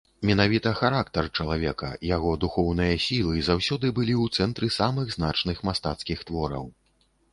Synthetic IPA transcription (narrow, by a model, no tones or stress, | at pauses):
mʲɛnavʲit̪ɐxaɾakt̪ɐrt͡ʂɐlˠavʲɛkɐ̰jaɣɔd̪uxɔwnɨjɐsʲilˠɨzawsʲɔd̪ɨbɨlʲiwt̪sɛnt̪ɾɨsamɨɣznat͡ʂnɨxmast̪at̪skʲixt̪vɔɾɐ̰w